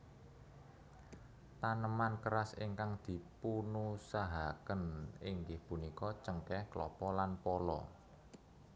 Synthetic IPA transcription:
t̪anəmankəɾasḭŋkaŋd̪̥i̤punusaɦakənɪŋɡɪhpunikɔt͡ʃəŋkɛhklɔpɔlanpɔlɔ̰

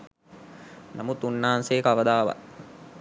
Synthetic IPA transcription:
namut̪unːaɦanseːkəaʋəd̪aːʋa̰t̪

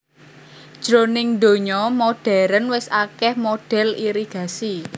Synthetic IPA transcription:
d̥ʒ̥ɾonɪŋd̪o̤ɲɔmoɖ̥ɛ̤ɾənwɪsakɛhmoɖ̥ɛ̤liɾiɡ̥a̤si

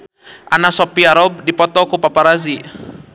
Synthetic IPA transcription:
ʔanasɔpiaɾɔb̚dipɔt̪ɔkupapaɾazi

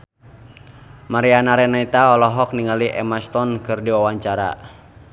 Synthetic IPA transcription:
maɾianaɾɛnait̪aɔlɔɦɔk̚niŋaliʔɛmast̪ɔnkɨrdiwawaɲt͡ʃaɾa̰

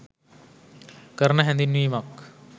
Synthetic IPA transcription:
kəɾnəɦɛ̃nd̪inʋiːmak

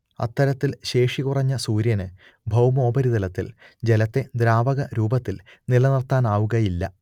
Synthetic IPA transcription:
ɐ̰t̪ːɐɾɐt̪ːilɕe̞ːʂikurɐɲːɐsuːɾjɐnɨ | bʱɐwmo̞ːbɐɾiðɐlɐt̪ːḭld͡ʑelɐt̪ːe̞d̪ɾaːbɐɣɐɾuːbɐt̪ːil | nilɐnɐrt̪aːnaːʋuɣɐjilːɐ̰

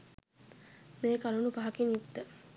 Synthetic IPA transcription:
meːkalunupaɦakinjut̪ːə

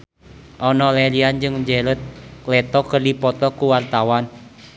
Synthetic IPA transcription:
ʔɔnɔlɛliand͡ʒɨŋd͡ʒelət̪̚klɛt̪ɔkərdipɔt̪ɔkuwart̪awan

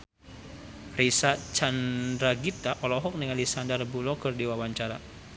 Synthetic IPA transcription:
risat͡ʃandɾaɡit̪aʔɔlɔɦɔk̚nəŋalisandarbulɔkərdiwawaɲt͡ʃaɾa

